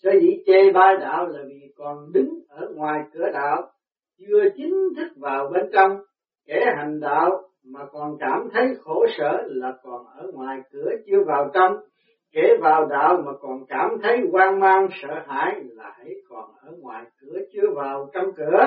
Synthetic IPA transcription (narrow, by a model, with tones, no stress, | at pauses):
səː˧˦zḭ˧˥t͡ɕe˧ɓaː˧ɗa̰ː˧˨wlaː˨˩vi˨˩kɔ˨˩nɗɨ˨˦ŋʔəː˧˩ŋwaː˨˩jkɨ˧˩əɗa̰ː˧˨w | t͡ɕɨ˧ət͡ɕï˨˦ŋ̟t̪ʰɨ˦˥k̚vaː˨˩wɓe˧nt͡ɕɔ˧m | kɛ˧˨˩ɦa˨˩jŋ̟ɗa̰ː˧˨w | maː˨˩kɔ˨˩nkaː˧˩mt̪ʰə˨˦jxo˧˩˦sə̰ː˧˨laː˨˩kɔ˨˩nʔəː˧˩ŋwaː˨˩jkɨ˧˩ət͡ɕɨ˧əvaː˨˩wt͡ɕɔ˧ŋ͡m | ke˧˩vaː˨˩wɗa̰ː˧˨wmaː˨˩kɔ˨˩nkaː˧˩mt̪ʰə˨˦jkwaː˧ŋmaː˧ŋsə̰ː˧˨ha̰ː˧˨jlaː˨˩hə̰˧˥jkɔ˨˩nʔəː˧˩˦ŋwaː˨˩jkɨ˧˩˦ət͡ɕɨ˧əvaː˨˩wt͡ɕə˧mkɨ˧˩˦ə